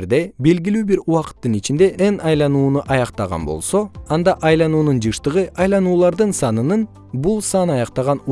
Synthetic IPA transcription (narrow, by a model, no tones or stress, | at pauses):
ɾd̪e̞be̞lɡʲilyːbiɾuɑqɯ̥t̪ːɯnit͡ʃind̪e̞ʔenɑjlˠɑnuːnuʔɑjɑqt̪ɑʁɑ̰nbo̞̰lˠso̞ɑnd̪ɑʔɑjlˠɑnuːnund͡ʒɯʃt̪ɯʁɯʔɑjlˠɑnuːlˠɑɾd̪ɯnsɑnɯnɯn | bulˠsɑnɑjɑqt̪ɑʁɑnu